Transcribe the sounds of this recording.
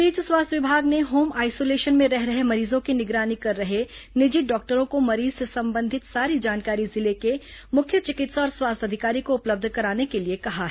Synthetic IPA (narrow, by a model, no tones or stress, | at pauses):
piːt͡ʃswaːst̪ʰʋɪbʱaːɡneɦoːmaːɪsoːleːʃənmẽɾɛɦɾɐɦemɐɾiːzõkinɪɡɾaːnikɐɾːɐɦenɪd͡ʒɪɖɔːk̚ʈəɾõkomɐɾiːzsesɐ̃mbə̃nd̪ʱɪt̪saːɾid͡ʒaːnkaːɾizɪlekemʊkʰːjət͡ʃɪkɪt̪sɔːɾswaːst̪ʰɐd̪ʱɪkaːɾikoʊpləb̚d̪ʱkɐɾaːnekeliekɐɦaɦɛ